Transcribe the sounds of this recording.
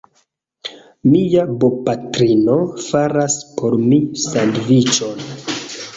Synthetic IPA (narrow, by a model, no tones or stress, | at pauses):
mijabo̞patɾino̞faɾaspʰo̞ɾmisanvit͡ʃo̞n